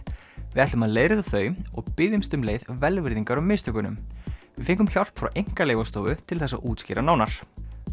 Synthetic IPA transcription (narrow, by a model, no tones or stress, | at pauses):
vɪðɛht̪ʏmhaðleːjɾɪðaθœːɥmɔɣpɪðɪmst̪ʏmleːjðvɛlvɪɾðiŋkaɾʏmːɪːst̪ʏkʏnʏ̰mvɪfejŋkʏmçɔl̥pfɾa̰wʔejŋ̥kaleːjvast̪oːvʏt̪ʰɪlθɛsːa̰ʔuːt̪scɪ̰ːɾanaːwnaɾ̥